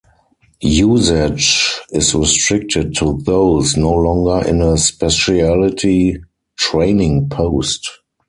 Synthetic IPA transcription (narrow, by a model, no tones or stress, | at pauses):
juːzɪd͡ʒɪsɹistɹɪk̚tʰəd̚tʰːuðoʊsnoʊlɔ̃ŋɡə˞ʔɪ̰̃nəspɛʃiælɪtʰi | tɹẽɪ̃nɪ̃ŋpʰoʊst